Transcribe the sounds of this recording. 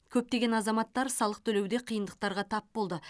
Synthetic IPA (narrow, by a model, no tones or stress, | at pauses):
kʲʰɵp̚t̪e̞ɡʲe̞nɑzɑmɑt̪ːɑɾsɑlˠəq̚t̪ʰɵlewd̪e̞qʰijənd̪əq̚t̪ɑɾʁɑt̪ʰɑpbo̞lˠd̪ə